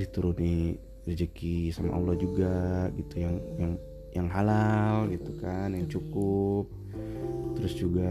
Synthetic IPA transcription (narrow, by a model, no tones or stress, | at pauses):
dit̪uɾʊni | ɾəd͡ʒəkisama̰ʔa̰lːɔhd͡ʒuɡaɡit̪ujaŋjaŋ | jaŋɦalalɡit̪ukanjaŋt͡ʃukʊp̚ | t̪əɾʊsd͡ʒuɡa